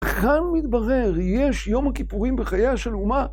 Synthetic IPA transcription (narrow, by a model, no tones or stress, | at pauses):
kanmit̪baʁeʁjeʃjo̞mhakipuʁimbeχajaʃe̞luma